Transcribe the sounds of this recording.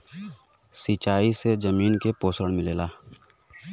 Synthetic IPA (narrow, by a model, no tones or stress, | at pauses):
siːt͡ʃaːised͡ʒəmiːnkepoːsɾəɽ̃mɪleːlaː